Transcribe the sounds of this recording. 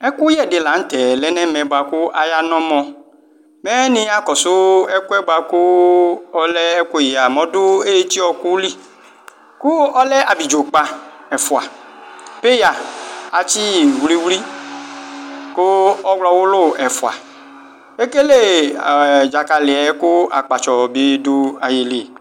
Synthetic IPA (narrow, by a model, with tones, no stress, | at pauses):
ɛ˦kʊ˦jɛ˦˨dɪ˨la˨ŋ̩˦t̪ɛ˨lɛ˦nɛ̃˦mɛ̃˨ba˨kʊ˦ʔa˨ja˦nɔ̃˦mɔ̃˨ | mɛ˦nɪ̃˦a˨kɔ˨sʊ˦ɛ˦kɛ˦ba˨kʊ˦ɔ˦lɛ˦ɛ˦ko˦˨ji˨a˨mɔ̃˦dʊ˦e˦t͡ʃi˦ɔ˨ku˦li˦ | kʊ˦ɔ˦lɛ˦ʔa˨bi˨d͡ʒo˨k͡pa˨ɛ˨fu˨a˨pe˦ja˨a˨t͡ʃi˦˨wli˦wli˦ | kʊ˦ɔ˦ɡlɔ˧wʊ˦lo˦˨ɛ˨fu˨a̰˨ | e˦ke˦le˦˨ | d͡ʒa˨ka˨lɪ˨ɛ˨˦kʊ˦a̰˨k͡pa˨t͡ʃɔ˨bi˦dʊ˦a˨ji˨le˨